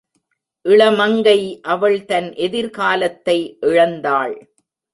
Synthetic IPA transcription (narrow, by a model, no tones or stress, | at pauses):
ʔɪɭɐmɐŋɡɐɪʔɐʋɐɭt̪ɐnʔɛðɪɾkaːlɐt̪ːɐɪʔɪɻɐnd̪aːɭ